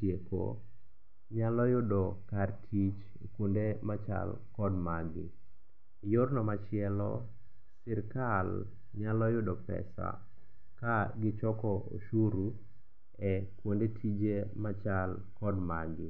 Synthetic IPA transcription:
tjeko̰ | ɲalɔjʊdɔkartʰit͡ʃ | kwondemat͡ʃa̰l | kɔdmaɡɪ̰ | jʊrnɔmat͡ʃɪɛlɔ̰ | sɪɾkal | ɲalɔjʊdɔpɛ̰sa̰ | kaɡɪt͡ʃɔkɔʔo̰ʃuɾu | ɛkwondetʰid͡ʒemat͡ʃal | kɔdmaɡɪ

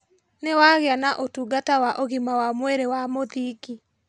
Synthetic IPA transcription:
newaɣeanaʔotuɡatawaʔoɣimawamweɾewamoðiki

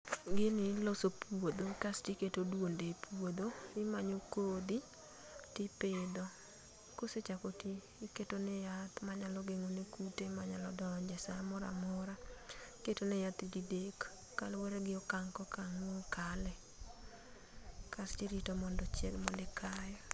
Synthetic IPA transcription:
ɡɪnɪlosopwod̪okastiketodwondepwod̪oɪmaɲokod̪i | tɪpɪd̪ɔ | koset͡ʃakotiː | ketonɛjat̪maɲalɔɡeŋonekutemaɲalɔdɔɲd͡ʒɛsamɔɾa̰mɔɾaketonɪjat̪ididekː | alwɛɾeɡɪɔkaŋkɔkaŋokalɛ | kastiɾitomɔndɔt͡ʃɛ̰ɡmɔlɪkʰajɔ

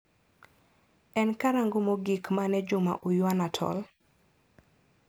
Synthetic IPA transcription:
ɛnkaɾaŋɡomoɡikmanɛd͡ʒʊma̰ʔujwanatʰɔ̰l

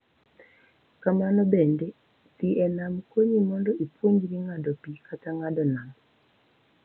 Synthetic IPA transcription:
kamanɔbende | tiʔɛnamkoɲimɔndɔʔipwoɲd͡ʒɾiŋadɔpikataŋadɔnam

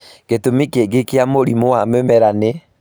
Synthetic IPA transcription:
ketomikeɡekeamoɾimoamɛmɛɾane

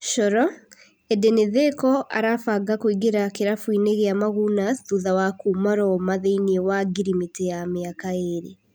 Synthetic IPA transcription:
ʃɔɾɔ | ɛdeneðekɔʔa̰ɾafaɡakoiɡeɾakeɾafwineɣeamaɣunaðuðawakumaɾɔmaðeiniewaɡiɾimitejameakaeɾḛ

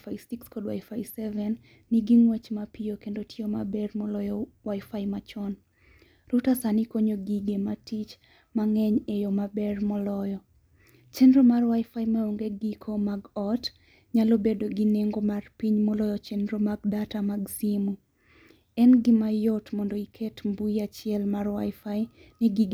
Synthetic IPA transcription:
faɪsikskɔdwa̰jfasɛvɛnː | iɡiŋwɛt͡ʃmapiokendotɪoma̰bɛrmɔlɔjɔwaifajmat͡ʃɔn | ɾutasanikoɲoɡiɡematit͡ʃ | maŋɛɲejɔmabɛrmɔlɔjɔ | t͡ʃɛndɾomarwaɪfaimaoŋɡeɡikʰomaɡɔt | ɲalobedoɡineŋɡomarpiɲmɔlɔjɔt͡ʃɛndɾomaɡ̚datamaɡsimu | ɛnɡɪmajɔtmɔndɔikʰetmbuiat͡ʃɪɛlmarwa̰ɪfai | nɪɡiɡe

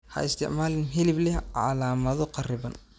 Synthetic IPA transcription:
hɐ̰ʔɪst̪ʰɪʕmaːlɪnɦɪlɪblɛhʕʕa̰laːmɐðɔqɑrɪbɐn

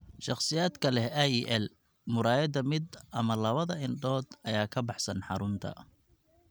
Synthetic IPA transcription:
ʃɑχsɪjaːd̪kʰɐlɛɛiːʔɛl | mʊɾaːjɐd̪ɐmɪd̪ɐmɐlɐβɐðɐɪnɖɔːd̪ɐjaːkʰɐbɑħsɐnħɑɾʊnt̪ʰɐ̰

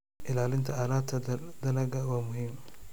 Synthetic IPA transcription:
ʔɪlaːlɪnt̪ʰɐaːlaːd̪t̪ʰɐd̪ɐlɐɡɐwaːmʊɦiːm

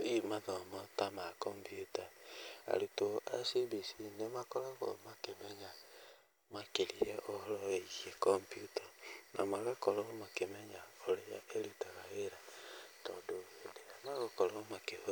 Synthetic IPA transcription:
imaðɔmɔtamakɔmpiutaa̰ɾutoʔasibisinemakɔɾɔɣo̰makemɛɲa | makelijeʔohɔlɔeiɣekɔmpjutanʔamaɣakɔlɔɣomakemɛɲaoɾeja̰ʔelutaɣaɣeɾatɔ̰doedeamaɣokɔlɔmake

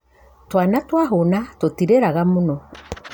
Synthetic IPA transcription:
twanatwaɦonatotiɾeɾaɣamonɔ

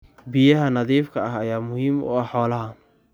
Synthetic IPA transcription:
bɪjɐɦɐnɐðiːfkʰɐɐɦɐjaːmʊhiːmʊ̰ɐħħɔːlɐɦɐ

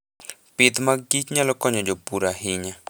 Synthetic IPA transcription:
pɪt̪maɡit͡ʃɲalɔkɔɲɔd͡ʒopuɾaɦɪɲa

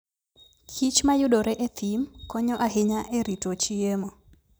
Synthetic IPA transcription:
kʰit͡ʃmajʊɗoɾɛʔet̪ʰimkɔɲɔʔaɦɪɲaʔeɾitot͡ʃiemo

